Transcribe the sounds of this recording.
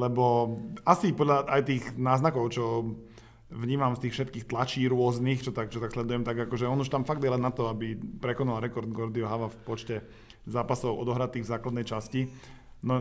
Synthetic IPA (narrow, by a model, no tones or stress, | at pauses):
lɛbɔasipɔd̪ʎaʔajt̪iːɣnaːznakɔʊt͡ʃɔ | ʋɲiːmamst̪iːxfʃɛt̪kiːxt̪lat͡ʃiːɾʊɔznixt͡ʃɔt̪ak̚t͡ʃɔt̪akslɛd̪ujɛmt̪aɡakɔʒɛɔnuʃt̪amfaɡd̪ɛlanat̪ɔabipɾɛkɔnalɾɛkɔɾd̪ɡɔɾd̪iɔɦaʋafpɔt͡ʃcɛ | zaːpasɔʊʔɔ̰d̪ɔɦɾat̪iːɣvzaːklad̪nɛjt͡ʃasci | nɔ